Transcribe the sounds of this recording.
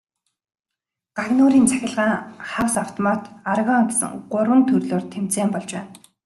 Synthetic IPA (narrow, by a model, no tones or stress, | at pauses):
ɢ̥aɣnoːɾiːnt͡sʰæ̥xʲɪ̆ɮʁaːŋχawsaw̥t̪ʰɔmat̪arɣaːŋt̪ʲsə̰ŋɢʊrwə̆nt̪ʰɵrɮoːrt̪ʰem̥t͡seːmpɔɮt͡ɕwæːn